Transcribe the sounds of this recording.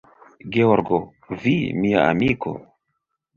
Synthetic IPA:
ɡeoɾɡo | vimia̰a̰miko̞̰

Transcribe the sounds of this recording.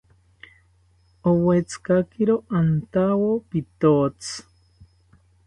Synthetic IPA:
owet͡skakiɾoʔant̪awopit̪ot͡s

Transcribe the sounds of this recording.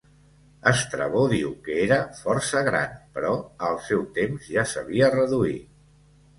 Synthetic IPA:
əst̪ɾə̰β̞oðiwkəeɾəfɔrsəɣɾa̰npəɾɔəlˠsɛwt̪emzʒasəβiərəðui

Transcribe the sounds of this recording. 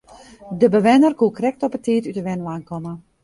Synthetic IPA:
dəbəʋɛnərkukrɛk̚tɔpətʰiːtytəʋɛnʋaːnkɔmə

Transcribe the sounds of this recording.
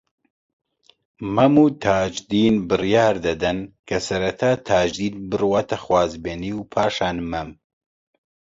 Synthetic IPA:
mɐmuːt̪ʰaːd͡ʒd̪iːnbɨrjaːɾd̪ɐd̪ɐnkʰɐsɐɾɐt̪ʰaːt̪ʰaːd͡ʒd̪iːnbɨrwat̪ɐxwaːzbeːniːwpʰaːʃaːnmɐm

